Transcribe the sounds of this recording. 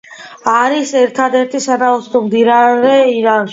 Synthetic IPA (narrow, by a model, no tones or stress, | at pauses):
aɾisɛɾt̪ʰad̪ɛɾt̪ʰisad̪aɔt̪sʰt̪ɔmd̪iɾaɾɛiɾanʃ